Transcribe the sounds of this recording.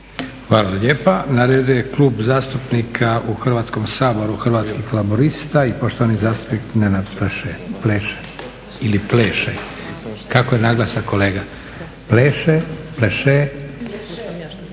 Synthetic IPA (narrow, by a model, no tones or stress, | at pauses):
xʋaːlaaʎeːpanaɾed̪ujekluːbzaːst̪upnikʰaʔuxr̩ʋaːt̪skomsaːbo̞ɾuxr̩ʋaːt̪skiflaboɾist̪aipoʃt̪oʋanizaːst̪u̥pnik̪nenad̪pleʃepleːʃe̥ | ilipleːʃe | kakojenaɡlˠasako̞leːɡa | pleːʃepleʃe